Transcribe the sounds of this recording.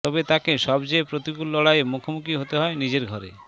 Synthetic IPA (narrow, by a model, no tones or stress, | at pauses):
t̪ɔbet̪akeʃɔbd͡ʒepɾot̪ikulːɔɽajemukʰomukiɦot̪eɦɔenid͡ʑeɾɡʱɔɾḛ